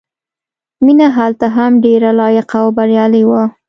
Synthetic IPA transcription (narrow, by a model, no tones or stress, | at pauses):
minaɦalt̪aɦamɖeɾalɑjɪqawbaɾjɑliwa